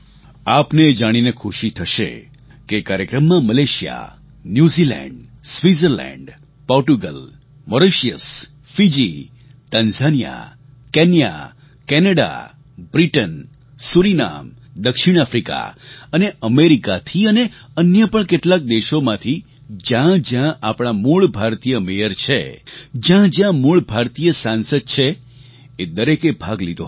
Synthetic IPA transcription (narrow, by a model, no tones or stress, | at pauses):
apned͡ʒaɽ̃inekʰuʃit̪ʰəʃḛ | kekaɾjəkɾəmːãməleʃija̰ | njuzilɛ̰̃ɳɖsʋizəɾlɛ̰̃ɳɖ | pɔɾʈuɡəl | məɾeʃijəs | fid͡ʒi | t̪ə̃nzanija̰ | kɛnija̰ | kɛnəɽa̰ | bɾiʈən | suɾina̰md̪əkʃiɽ̃afɾika̰əneəmeɾikat̪ʰiəneənjəpəɳkeʈlak̚d̪eʃomãt̪ʰi | d͡ʒjãd͡ʒjãʔapɽ̃amuɭbʱaɾt̪ijəmejəɾt͡ʃʰḛd͡ʒjãd͡ʒjãmuɭbʱaɾt̪ijəsansəd̪̚t͡ʃʰeː | d̪əɾekebʱaɡlid̪ʱo̰